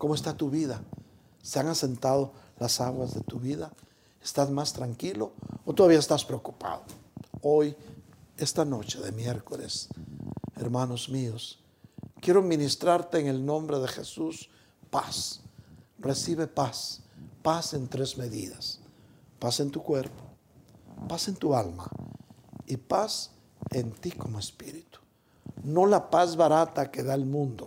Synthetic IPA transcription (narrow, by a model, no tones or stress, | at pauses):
ko̞moest̪at̪uβiða | se̞aŋase̞nt̪að̞o̞lasaɣwazðe̞t̪uβiða | est̪azmast̪ɾaŋkilo̞ot̪oðaβiaest̪aspɾeokupa̰ðooj | e̞st̪ano̞t͡ʃeðe̞mje̞ɾko̞le̞̰s | e̞ɾmano̞zmio̞s | kje̞ɾominist̪ɾaɾt̪e̞ːŋe̞lnõ̞mbɾe̞ðe̞xesus | pas | re̞siβe̞paspase̞nt̪ɾe̞zme̞ðḭðaspase̞nt̪ukwe̞ɾpo | pase̞nt̪ualma̰ | ipas | ent̪iko̞moespiɾit̪u̥ | no̞lapazβaɾat̪ake̞ðaelmũnd̪o